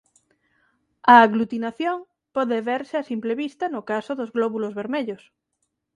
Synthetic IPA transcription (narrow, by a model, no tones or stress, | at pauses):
aːɣlut̪inaθjoŋ | pɔðeβeɾsɪasimpleβist̪anokasoðozɣloβulozβeɾmeʎos